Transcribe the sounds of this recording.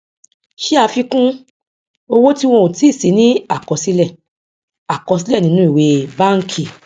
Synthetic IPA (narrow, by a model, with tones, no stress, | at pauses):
ʃi˦a˧fi˧kũ˦ | o˧wo˦ti˦w̃ɔ̃˧o˨ti˦˨si˨˦nĩ˦a˦˨kɔ˨˦si˦lɛ˦˨ | a˨kɔ˧s̬i˦lɛ˦˨nĩ˨˧˦nũ˦i˦˨we˧ba˦ŋ̩˦kʰi˦˨